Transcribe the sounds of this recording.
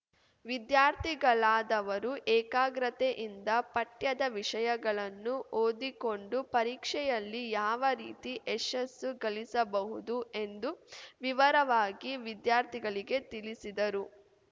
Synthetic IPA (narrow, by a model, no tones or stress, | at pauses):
ʋid̪jaːɾt̪ʰiɡɐɭaːd̪ɐʋɐɾuʔɛːkaːɡɾɐt̪eʔind̪ɐpɐʈjɐd̪ɐʋiʂɐjɐɡɐɭɐnːuʔoːd̪iko̞ɳɖupɐɾiːkʂɛjɐlːijaːʋɐɾḭːt̪iʔeʃɐsːuɡɐlisɐbɐɦud̪uʔe̞nd̪uʋiʋɐɾɐʋaːɡiʋid̪jaːɾt̪ʰiɡɐɭiɡe̞t̪ilisid̪ɐɾu